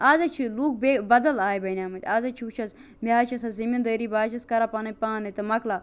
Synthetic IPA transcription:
aːzɐt͡ʃʰiluːk̚bebɐd̪ɐlaːjbɐnʲaːmɐt̪ʲaːzɐt͡ʃʰiut͡ʃʰɐs | miaːt͡ʃʰɐsɐzimind̪əːɾiːbaːt͡ʃʰɐskɐɾapɐnɐpaːnɐt̪ɨmɐkla

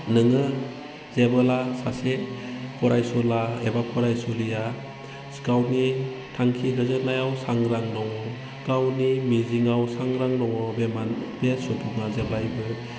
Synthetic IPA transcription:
nɯŋɯ | zebɔlasasepʰɔɾajsɔlaebapʰɔɾajsulija | sɡawni | tʰaŋkʰiɦɯzɯnajawsaŋɾaŋdɔŋɔ | ɡ̥awnimiziŋawsaŋɾaŋdɔŋɔbemanbesupʰuŋazeblajbɯ

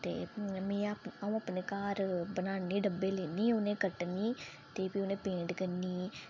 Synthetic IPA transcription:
t̪ḛːmẽːəũːəpneːkaːɾbənaːniːɖəbːeːleːniːʊnẽːkəʈniː | t̪eːpiːʊnẽːpẽːɳɖkəniː

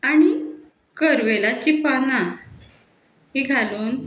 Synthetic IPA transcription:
añi | kəɾʋelat͡ɕipana | ɦiɡʱaluːn

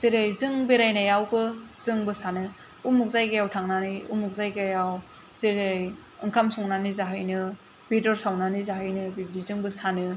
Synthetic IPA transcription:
z̥eɾɯjzɯŋbeɾajnajawɡɯz̥ɯŋbɯsanɯ | umuk̚zajɡajawtʰaŋnanɯjṵmuk̚zajɡajaw | zeɾɯj | ɯŋkʰamsɔŋnanɯzaɦɯjnɯ | bedɔɾsawnanɯzaɦɯjnɯbidizɯŋbɯsanɯ

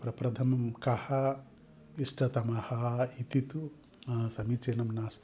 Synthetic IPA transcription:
pɾɐpɾɐd̪ʱʰɐmɐmkɐhɐ | isʈʰɐt̪ɐmɐhɐit̪it̪u | ɐsɐmit͡ʃeːnɐmnaːst̪

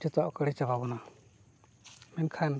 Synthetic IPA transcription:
ʈɔt̪ɔʔkəɽɛt͡ʃababɔna | mɛnkʰan

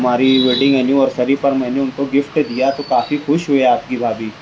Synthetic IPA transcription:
maːɾiʋeːɖɪ̃ŋɡɛlijũɔːɾsɐɾipɐɾmɛ̃ːneʊnkoɡɪfʈd̪ijat̪okaːfixʊʃɦoeaːpkibʱaːbʱiː

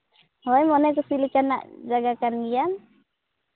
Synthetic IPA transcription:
ɔjmɔnɛk̬əsilikanːa̰ʔd͡ʒaɡakanɡijan

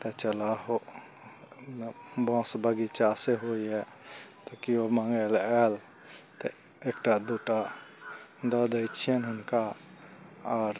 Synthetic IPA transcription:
t̪ət͡ʃəlaɦo | bãsbəɡit͡ʃaseɦoiɛ | t̪ɔkiomaŋɡelɛl | t̪ɔ | ekʈad̪uʈa | d̪əd̪əjt͡ʃʰijənɦunka | aɾ

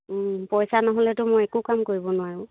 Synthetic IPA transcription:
pɔjsanaɦolɛtʊmojɛkukamkoɹibɔnʊwaɹʊ̃

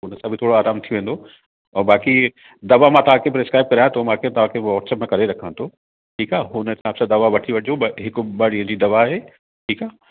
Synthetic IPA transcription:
ʊnəsãbʱɪt̪ʰoːɽoaːɾaːmt̪ʰioʋẽːn̆d̪o | ɛ̃ːbaːki | d̪ɐʋamãt̪ɐʋ̤ãkʰepɾeskɾaːɪb̚kɐɾaːj̃t̪omãkʰet̪ɐʋ̤ãkʰeʋɔːʈsɛːpmẽkɐɾeɾɐkʰə̃nt̪ʰoː | ʈʰiːkaːɦʊnət̪ãːpsãd̪ɐʋaʋɐʈʰiʋɐoɦɪkʊɓɐɽiə̃d͡ʑiːd̪ɐʋaɦeː | ʈʰiːkaː

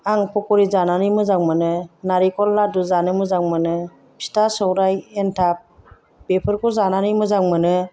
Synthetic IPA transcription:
aŋpʰɔkɔɾizananɯmɯzaŋmɯnɯnaɾikɔlːaduzanɯmɯzaŋmɯnɯ | pʰi̥tasɔwɾajentʰap̚ | b̥epʰɯɾkɔzananɯmɯzaŋmɯnɯ

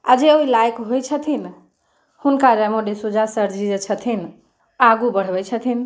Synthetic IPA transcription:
ad͡ʒeoilajkɦojt͡ʃʰət̪ʰin | hunkaɾɛmoɖesud͡ʒʱasəɾd͡ʒid͡ʒet͡ʃʰət̪ʰin | aɡubəɽ̤bəjt͡ʃʰət̪ʰin

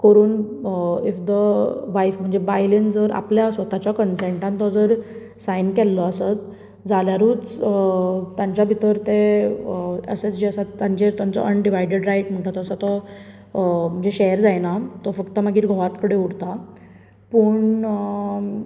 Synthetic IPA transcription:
kəɾuːn | ifd̪əʋajfm̤əɳd͡zebajlend͡zəɾa̰pljasʋət̪at͡ɕakənseɳʈãnt̪ɔd͡zəɾ | sajnkɛlːɔəsət̪ | d͡zaljaɾuːt͡s | t̪jãɲt͡ɕjabʱit̪əɾt̪e | ə̰set͡sd͡ʑeəsat̪jãɲt͡ɕet̪jant͡sɔ̰ʔənɖiʋajɖeɖɾajʈm̤əɳʈ̪at̪ɔəsat̪ɔ | m̤əɳd͡zeɕɛɾd͡zajnat̪ɔfəkt̪əmaɡiːɾɡʱɔʋat̪kəɽeuɽt̪a | pəɳ

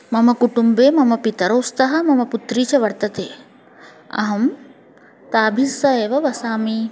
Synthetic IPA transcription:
mɐmɐkuʈumbeːmɐmɐpit̪ɐɾoːst̪ɐɦɐ̆mɐmɐput̪ɾiːt͡ʃɐʋɐɾt̪ɐt̪eː | ɐ̰ɦɐm | t̪aːbʱisːɐeːʋɐʋɐsaːmi

